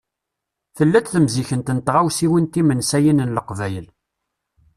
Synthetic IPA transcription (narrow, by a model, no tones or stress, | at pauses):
θəlːæt͡s̪θəmziçənt̪ənt̪ʁawsiwint̪imənsæjinənləqvæjəl